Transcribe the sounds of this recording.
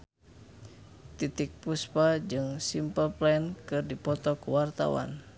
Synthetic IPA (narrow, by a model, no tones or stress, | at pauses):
t̪it̪ik̚puspad͡ʒɨŋsimpəlplɛnkɨrdipɔt̪ɔkuwart̪a̰wa̰n